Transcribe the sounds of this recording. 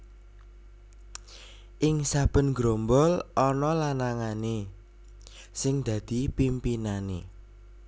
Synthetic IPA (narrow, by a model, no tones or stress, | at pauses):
ʔɪŋsab̥ə̤nɡɾombɔlʔɔnɔlanaŋane | sɪŋd̪̥ä̤d̪̥i̤pimpinanḛ